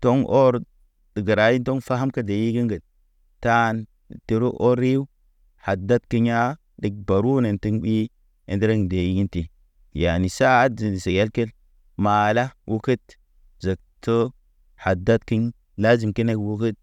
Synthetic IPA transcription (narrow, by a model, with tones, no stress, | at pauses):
to˦ŋʔo˦ɾ | də˨ɡə˨ɾa˨˦ji˦nto˦ŋfa˦ɦa˦mka˦de˨ji˦ɡi˦ŋɡə˨t̚ | ta˦˨n˨ | ti˨˦ɾu˦ʔo˦ɾi˦w | ha˨da˦t̚ki˦ɲa˦ | di˨˦k̚ba˨ɾu˦ne˨nti˦ŋɓi˦ | ḛ˨ndi˦ɾe˦ŋde˨ji˦ɡi˦nti˨ | ja˨ni˨sa˦zi˨ni˨se˨ja˦lke˦l | ma˨la˦wʔu˦kə˦t | zə˨k̚tə˦ | ha˨da˦t̚ki˦ɲ | la˦zi˨mki˦ne˦kwu˦kə˦t̚